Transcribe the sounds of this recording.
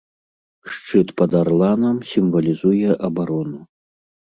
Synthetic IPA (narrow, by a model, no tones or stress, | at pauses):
ʂt͡ʂɨt̪pɐd̪aɾlˠanɐmsʲimvɐlʲizujɛʔɐbaɾɔnu